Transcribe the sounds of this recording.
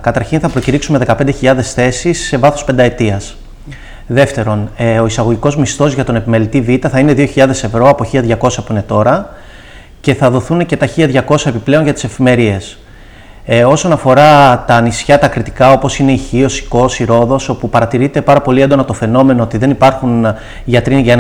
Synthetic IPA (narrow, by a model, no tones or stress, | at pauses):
kɐt̪ɐɾçinθɐpɾo̞ciɾiksumeðe̞kɐpend̪eçiʎɐðe̞sθe̞sisːe̞vɐθospe̞nd̪ɐe̞t̪iɐs | ðe̞ft̪e̞ɾo̞no̞isɐɣo̞ʝiko̞zmist̪o̞zʝɐt̪o̞ne̞pimelit̪ivit̪ɐθɐine̞ðio̞çiʎɐðe̞se̞vɾo̞ɐpo̞çiʎɐðʝɐko̞sɐpuine̞t̪o̞ɾɐ | ce̞θɐðo̞θunce̞t̪ɐçiʎɐðʝɐko̞sɐepiple̞o̞nʝɐt̪i̥se̞fime̞ɾie̞s | o̞so̞nɐfo̞ɾɐt̪ɐːnisçɐt̪ɐkɾit̪i̥kɐo̞po̞sine̞içio̞si̥ko̞siɾo̞ðo̞so̞pupɐɾɐt̪iɾit̪e̞pɐɾɐpo̞lie̞nd̪o̞nɐt̪o̞fe̞no̞me̞no̞ot̪iðe̞nipɐɾxun | ʝɐt̪ɾinʝɐ